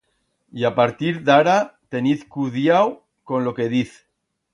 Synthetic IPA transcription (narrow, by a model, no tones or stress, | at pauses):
iapaɾt̪iɾðaɾat̪eniθkuðjaw | konlokeðiθ